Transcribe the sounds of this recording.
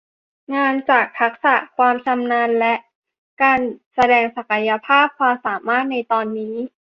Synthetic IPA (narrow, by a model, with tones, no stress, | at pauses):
ŋaː˧nt͡ɕaː˨˩k̚t̪ʰa˦˥k̚sa˨˩kʰwaː˧mt͡ɕa˧mnaː˧nlɛ˦˥ʔ | kaː˧nsa˧dɛː˧ŋsa˨˩ka˧ja˧pʰaː˥˩p̚kʰwaː˧msaː˩˦maː˥˩t̪̚na˧jt̪ɔː˧nːiː˦˥